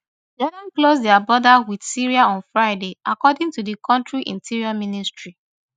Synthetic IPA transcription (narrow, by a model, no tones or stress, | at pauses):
d͡ʒɛnãnklozdɛabɹɔdawid̥siɹiaɔ̃nfɹaɪdeʔakɔdĩŋtudikʰɔ̃ntɹiʔḭ̃ntiɹiɔmĩnistɹi